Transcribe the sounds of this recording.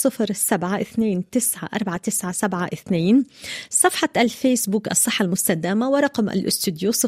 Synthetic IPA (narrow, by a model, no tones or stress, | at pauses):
ɨfɾsabʕaʔɪθneːnt̪ɪsʕa̰ʔɑ̰ɾˤbʕat̪ɪsʕasabʕaʔɪθneːnsˤɑfħɑʔalfeːsbuːkʔɑ̰sˤːɨħːalmʊst̪ad̪aːmawɪɾˤɑqmʔa̰lʔʊst̪ɪd̪jusˤɨ